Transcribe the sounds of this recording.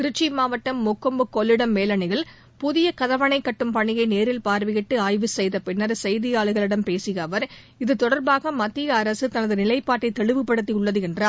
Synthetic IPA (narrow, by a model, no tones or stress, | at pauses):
kɪɾɪt͡ʃːimaːʋɐʈːɐmːʊkːɐmbɯkːɔɭːɪɽɐmːeːlɐɳɪɣɐɭ | pʊðɪjɐkɐðɐʋɐɳɐɪkːɐʈːɯmpɐɳːɪɣɐɪneːɾɪlpaːɾʋɪɣɪʈːɯaːjʋɯsɛjðɐpɪnːɐɾsɛjðɪjaːɭɯɣɐɭɪɽɐmpeːsɯɣɐːʋɐɾ | ɪðɯt̪ɔɽɐɾbaːɣɐmɐt̪ːɪjɐːɾɐsɯt̪ɐnɐðɯnɪlɐɪpːaːʈːɐɪt̪ːɛɭɯʋɯpːɐɽɯt̪̬ːiʊɭːɐðɯɛndraː